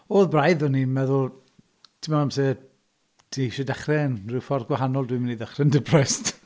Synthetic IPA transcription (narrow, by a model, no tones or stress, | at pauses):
oːðbrajðɔnimɛðʊlˠ | tʰɪmɔamsɛ | d̥ʰiʃɛdɛχrɛnrɪwfɔrɡwaɦanɔlˠdwimɪniðɛχrɛndɪbrɛst